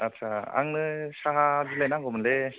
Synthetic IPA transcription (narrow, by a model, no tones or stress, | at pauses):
atsʰaa̰ŋnɯsaɦazilajnaŋɡɔmɯnle